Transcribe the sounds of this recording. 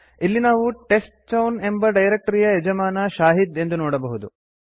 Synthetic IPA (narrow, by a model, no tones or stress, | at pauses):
ilːinaːʋuʈe̞sʈt͡ʃɐwne̞mbɐɖɐjɾek̚ʈɐɾijɐed͡ʒɐmaːnɐʃaːɦid̪e̞nd̪unoːɽɐbɐɦud̪u